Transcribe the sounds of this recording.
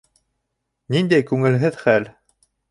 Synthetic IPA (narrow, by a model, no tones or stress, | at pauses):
nind̪æjkʉŋɘ̆lɦɘðχæl